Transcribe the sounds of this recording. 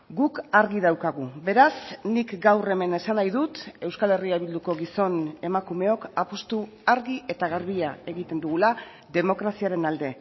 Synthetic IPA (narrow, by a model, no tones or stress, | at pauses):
ɡukaɾɣiðawkaɣube̞ɾasnikɡawre̞me̞ne̞sanajðut̪e̞wskale̞riaβild̪uko̞ɣiso̞ne̞makume̞o̞kapost̪u | aɾɣiʔe̞t̪aɣaɾβiae̞ɣit̪e̞nd̪uɣula | ðe̞mo̞kɾasiaɾe̞nald̪e̞